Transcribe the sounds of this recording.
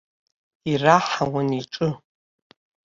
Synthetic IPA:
iraħawaniʈ͡ʂʼɨ

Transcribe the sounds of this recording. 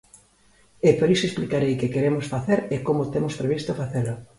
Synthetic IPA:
epoɾisoesplikaɾejkekeɾemosfaθeɾekomot̪emospɾeβist̪ofaθelʊ

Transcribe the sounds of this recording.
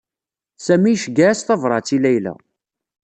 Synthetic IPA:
sæmijʃəɡæsθɑvɾˤɑt͡sːilæjlæ̰

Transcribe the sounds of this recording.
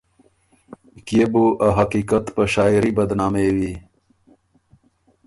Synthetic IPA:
kjebuʔaɦɐqiːkat̪pəɕaːiɾibɐd̪naːmewi

